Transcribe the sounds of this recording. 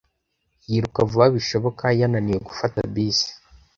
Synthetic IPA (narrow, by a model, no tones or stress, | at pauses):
jiɾukavuβaβiʃo̞βo̞kajananijeɡufatabiːsi̥